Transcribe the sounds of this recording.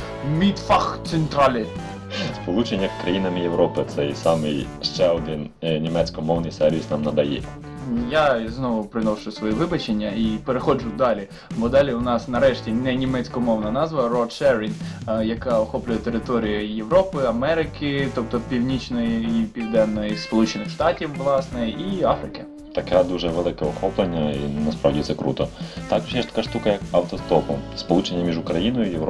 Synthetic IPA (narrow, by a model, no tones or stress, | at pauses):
mʲit̪fɑxt̪sent̪ɾɑlʲɪ | spɔlˠut͡ʃenʲːɐkɾɐjinɐmɪjeʋɾɔpɪt̪sɛjsɑmɪj | ʃt͡ʃɛɔd̪ɪnnʲimɛt͡sʲkɔmɔwnɪjsɛɾʲʋʲisnɑmnɐd̪ɐjɛ̰ | jaznɔʋʊpɾɪnɔʃʊjʊsʋɔjiʋɪbɐt͡ʃenʲːɐipeɾexɔd͡ʒʊd̪ɑlʲi | bɔd̪ɑlʲiʊnɑsnɐɾɛʃtʲinɛnʲimɛt͡sʲkɔmɔwnɐnɑzʋɐrɔd̪ʃɛɾinjɐkɑɔxɔplʲʊjɛt̪eɾɪt̪ɔɾʲijʊjeʋɾɔpɪɐmɛɾɪkɪt̪ɔp̚t̪ɔpʲiwnʲit͡ʃnɔjiipʲiwd̪ɛnːɔjispɔlˠut͡ʃɪnɪxʂt̪ɑtʲiwʋlˠɑsnɪʔiɑfɾɪkɪ | t̪ɐkɛd̪uʒɛʋelˠɪkɛɔxɔplˠenʲːɐḭnɐspɾɑ̰ʋdʲit̪sɛkɾṵt̪ɔt̪ɑkɔʒjɛʃt̪ɐ̥kaʂt̪ukɐjɐkɐwt̪ɔst̪ɔpʊspɔlˠut͡ʃenʲːɐmʲiʒʊkɾɐjinɔjʊijeʋɾɔ